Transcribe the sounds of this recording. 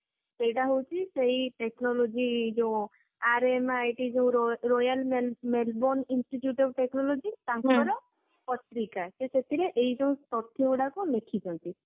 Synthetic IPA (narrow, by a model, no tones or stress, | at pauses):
sejʈaɦowt͡ʃʰiseɦiʈeknɔlod͡ʒid͡ʒew̃ | aɾemajʈid͡ʒẽũɾɾojalmelmelboninsʈiʈjuʈɔbʈeknɔlod͡ʒit̪ãŋkɔɾɔ | pɔt̪ɾikaseset̪ʰiɾeʔeid͡ʒẽũst̪ɔt̪ʰjiuɽakunekʰid͡ʒʰɔnt̪i